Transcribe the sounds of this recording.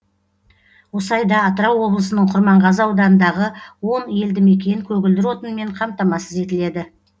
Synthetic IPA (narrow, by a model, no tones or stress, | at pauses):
wo̞sˠɑjd̪ɑːt̪əɾɑwːo̞blˠəsənəɴqʰʊɾmɑɴʁɑzəɑwd̪ɑnənd̪ɑʁəwo̞nje̞ld̪ɪme̞kʲe̞ɪŋkʲʰɵɡʲɪld̪ɪɾwo̞t̪ənme̞ɴqʰɑmt̪ɑmɑsəze̞t̪ɪle̞d̪ɪ